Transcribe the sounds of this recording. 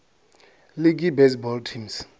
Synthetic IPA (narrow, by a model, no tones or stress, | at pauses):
lik̬ibɛsbɔltʰims